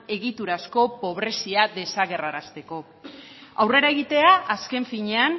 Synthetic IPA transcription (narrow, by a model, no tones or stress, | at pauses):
e̞ɣit̪uɾasko̞po̞β̞ɾe̞siaðe̞saɣe̞raɾast̪e̞ko̞ | awre̞ɾae̞ɣ̞it̪e̞aʔaske̞ɱfiɲe̞an